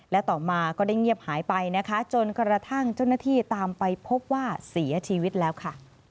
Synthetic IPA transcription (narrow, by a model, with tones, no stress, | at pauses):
lɛ˦˥t̪ɔː˨˩maː˧kɔː˥˩da˥˩jŋi˥˩əp̚haː˩˦jpa˧jna˦˥kʰa˦˥t͡ɕo˧nkɾa˧t̪ʰa˥˩ŋt͡ɕa˥˩wnaː˥˩t̪ʰiː˥˩t̪aː˧mpa˧jpʰo˦˥p̚waː˥˩si˨˩˦ɐt͡ɕʰiː˧wi˦˥t̪̚lɛː˦˥wkʰa˥˩